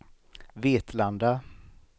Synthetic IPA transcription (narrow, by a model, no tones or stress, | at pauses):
veːt̪land̪a